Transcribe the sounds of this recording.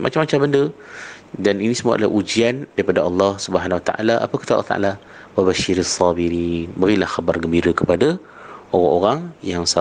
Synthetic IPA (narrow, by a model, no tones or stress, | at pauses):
mʔa̰t͡ʃamːat͡ʃambəndə | daninisəmua̰dala̰ʔud͡ʒiandaipadaʔɑlːɑhsubəɦanwat̪a̰ʔa̰laʔa̰pəkə̥t̪alːɑht̪a̰ʔa̰la | wabaʃɪɾasˤːɑbiɾinbəɾilahxabarɡəmbiɾəkəpada | ʔoɾaŋoɾaŋjaŋsa